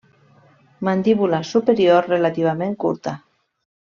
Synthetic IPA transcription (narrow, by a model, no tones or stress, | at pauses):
mand̪iβulasupeɾioɾrːelat̪iβ̞amẽŋkṵɾt̪a